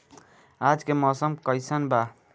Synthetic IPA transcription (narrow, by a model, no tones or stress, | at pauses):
ad͡ʒkemɔsəmkʌjsanba